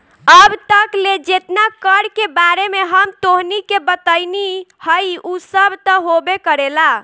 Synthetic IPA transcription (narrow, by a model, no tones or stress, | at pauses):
əbt̪əkled͡ʒet̪nakəɽkebaɾemeɦəmt̪oɦnikebət̪əjnihəjusəbʱt̪əɦobekəɾela